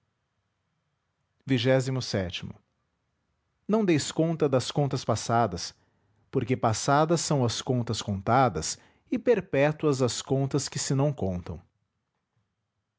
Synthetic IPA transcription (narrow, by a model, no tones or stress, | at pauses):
viʒɛzimʊsɛt͡ʃimʊ̰ | nɐ̃w̃d̪ejskõnt̪ɐd̪ɐskõnt̪ɐspasad̪ɐs | poɾkepasad̪ɐsːɐ̃w̃ɐskõnt̪ɐskõnt̪ad̪ɐ̰s | ɪpeɾpɛt̪uɐzɐskõnt̪ɐskɪsɪnɐ̃w̃kõnt̪ɐ̰̃w̃